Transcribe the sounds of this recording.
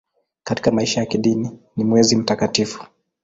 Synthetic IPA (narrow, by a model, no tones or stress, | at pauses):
kati̥kamaiʃajakiɗininimwɛzim̩takatifu̥